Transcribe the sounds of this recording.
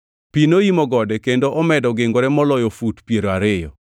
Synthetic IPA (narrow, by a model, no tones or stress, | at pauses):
pinoimɔɡɔdɛkendoʔɔmɛdɔɡɪŋɡoɾɛmɔlɔjofutpjeɾoaɾɪjɔ̰